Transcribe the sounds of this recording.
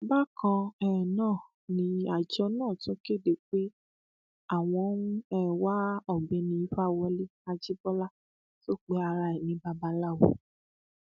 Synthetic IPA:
ba˦˨kɔ̃˧ɛ˨nãː˦˨ | nĩ˧a˨d͡ʒɔ˧˦nãː˦˨tõ˨˦ke˦˨de˨k͡pe˦ | a˦˨w̃ɔ̃˧˦nũ˦ɛ˦˨wa˦ɔ˨ɡ͡bɛ˨˧nĩ˧˦i˦fa˦˨wɔ˧le˦a˧d͡ʒi˦bɔ˦la˦ | to˦˨k͡pe˨˦a˧ɾa˧ɛ˨nĩ˨˦ba˧ba˧la˦˨wo̰˨

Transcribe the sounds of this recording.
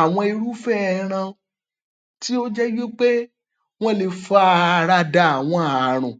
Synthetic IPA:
a˨w̃ɔ̃˧i˧ɾu˦fɛ˦ɾ̃ã˧ | ti˦o˦d͡ʒɛ˦ɡi˦k͡pe˦ | w̃ɔ̃˦le˨˧fa˦˧ɾa˧da˨a˨w̃ɔ̃˧a˨ɾ̃ũ˨

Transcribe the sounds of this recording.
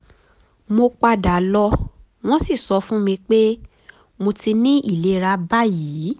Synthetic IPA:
mo˧k͡pa˧da˨lɔ˧ | w̃ɔ̃˦si˦˨sɔ˧fũ˦mĩ˧k͡pe˦ | mo˧ti˧nĩ˦ʔi˦˨le˨˦ɾa˧˦ba˦jiː˨˦

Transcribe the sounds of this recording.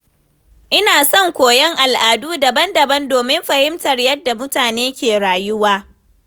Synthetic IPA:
ʔɪ˦naː˨sɔ˦˨ŋkʷoː˨jɛ˦ŋʔa˨lʔaː˨duː˦dɐ˨bɐ˦ndɐ˨bɐ˦ndoː˨mɪ˦mɸɐ˨hɪ˦mtɐ˨rjɐ˦dːa˨mʊ˦taː˨neː˦kʲeː˨ɽaː˨jʊ˦waː˦

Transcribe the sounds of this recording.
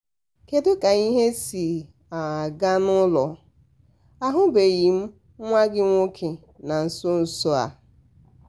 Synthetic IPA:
ke˨dʊ˦ka˨i˦ɦe˦si˨ | a˨a˨ɡa˦nʊ˦lɔ˨ | a˨ɦʊ˦be˨ɣi˨m̩˦ | ŋʷa˦ɡɪ˦ŋʷo˦kʰe˨ | na˨n̩˨sʊ˦n̩˨so˦a̰˨

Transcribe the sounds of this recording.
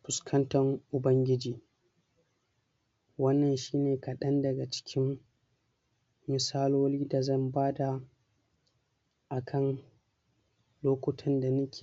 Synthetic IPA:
ɸʊ˨skʰɐ˦ntɐ˨ŋʔʊ˨bɐ˦ŋɡʲɪ˦d͡ʒiː˨ | wɐ˦nːɐ˨nʃiː˦neː˨kɐ˨ɗɐ˦ndɐ˨ɡa˨t͡ʃɪ̥˦kʲɪ˦m | mɪ˨saː˦loː˦liː˦da˨zɐ˦˨mbaː˦da˨ | ʔa˨kʰɐ˦˨ŋ | loː˦kʷʊ˦tʰɐ˦nda˨nʊ˦kʲʰe̥ː˨

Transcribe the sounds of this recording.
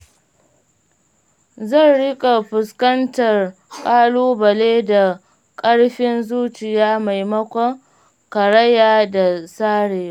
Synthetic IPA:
zɐ˦˨nɽɪ˦kʼa˨ɸʊ˨skɐ˦ntɐ˨r | kʼaː˦luː˦bɐ˨leː˦da˨ | kʼɐ˦ɽɸɪ˦nzuː˦t͡ʃɪ˨jaː˦ma˨jmɐ˦kʷɐ˦ŋ | kɐ˨ɾɐ˦jaː˦˨da˨saː˦ɽeː˨˦

